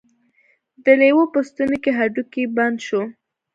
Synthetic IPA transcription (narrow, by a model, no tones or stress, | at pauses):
d̪əlewopəst̪ənokeɦaɖukiband̪ʃo